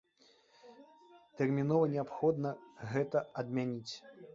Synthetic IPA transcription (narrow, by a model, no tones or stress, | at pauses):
t̪ɛrmʲinɔvɐnʲɛapxɔd̪nɐɣɛt̪ɐɐd̪mʲanʲit͡sʲ